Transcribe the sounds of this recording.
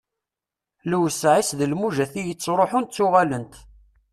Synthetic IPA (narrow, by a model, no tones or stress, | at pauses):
lwsʕisðəlmuʒæθijət͡sːɾˤoħʊnt̪t͡sːʊʁælənt̪